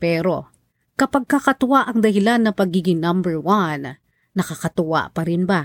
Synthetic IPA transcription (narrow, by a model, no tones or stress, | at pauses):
pɛːɾo̞ | kɐpaɡ̚kakɐt̪ʊwaʔɐŋd̪ɐhɪlanːɐpɐɡiːɡɪŋnɐmbɛɹwanː | ɐkakɐt̪ʊwa̰ʔpɐɾɪnba